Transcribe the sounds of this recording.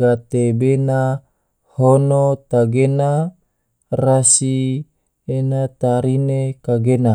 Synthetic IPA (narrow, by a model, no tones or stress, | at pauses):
ɡat̪ebena | honot̪aɡena | rasi | enat̪aɾinekaɡena